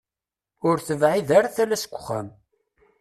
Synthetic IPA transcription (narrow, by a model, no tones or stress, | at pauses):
ʊɾθəvʕiðæɾaθælæsə̥ɡʷːə̥χːæ̰m